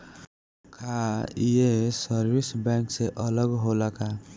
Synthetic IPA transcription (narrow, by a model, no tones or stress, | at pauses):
kʰaiesəɾbisbɛ̃ŋkseʔələɡɦolaka